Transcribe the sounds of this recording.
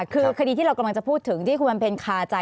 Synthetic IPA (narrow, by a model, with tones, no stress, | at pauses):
kʰɯː˧kʰa˧diː˧iː˥˩ɾa˧wka˧mla˧ŋt͡ɕa˨˩pʰuː˥˩t̪ʰːɯ˩˦ŋt̪ʰiː˥˩kʰu˧ma˧pe˧nkʰaː˧t͡ɕa˧